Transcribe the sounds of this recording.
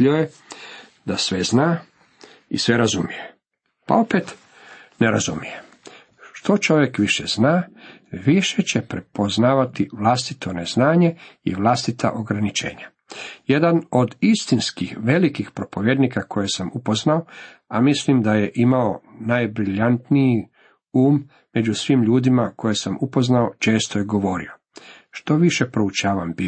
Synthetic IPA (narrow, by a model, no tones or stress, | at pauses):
ioje | d̪asʋeznaː | isʋeɾazumije | pa̰o̞pet̪ | neɾazumijem | ʃt̪o̞t͡ʃo̞ʋje̞kʋiʃḛz̥naː | ʋiʃe̞t͡ɕe̞pɾe̞poznaːʋat̪iʋlast̪it̪ʰo̞neznaːɲe̞ḭʋlast̪it̪ʰa̰ʔoɡɾanit͡ʃḛːɲa | jed̪ano̞d̪ist̪inskixʋe̞likixpɾo̞po̞ʋjed̪nikakʰo̞jesamupoznao | amislimd̪ajeʔimaonajbɾiʎant̪niji | uːmː | e̞d͡ʑusʋiːmʎuːd̪imako̞jesamupo̞znaot͡ʃe̞ːst̪ojeɡo̞ʋo̞ɾḭo̞ | ʃt̪o̞ʋiʃe̞pɾout͡ʃaːʋambi